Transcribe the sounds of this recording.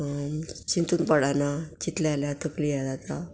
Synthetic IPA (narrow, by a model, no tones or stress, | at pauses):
ɕint̪uːnpəɽanat͡ɕit̪laljat̪əklijad̪at̪a